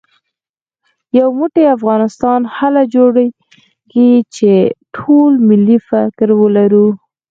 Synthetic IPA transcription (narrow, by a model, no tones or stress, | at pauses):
jawmuʈeafɣɑnɪst̪ɑnhalad͡ʒoɽaj | keɡit͡ʃeʈʰolmɪlːifakɾwəlaɾu